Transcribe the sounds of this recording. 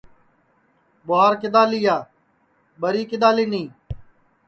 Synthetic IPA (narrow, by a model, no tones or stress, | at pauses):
ɓʊaːɾkɪd̪aːliːaː | ɓəɾiːkɪd̪aːliːnĩː